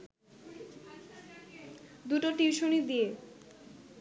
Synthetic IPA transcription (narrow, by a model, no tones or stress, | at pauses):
d̪uʈoʈiwʃonid̪ije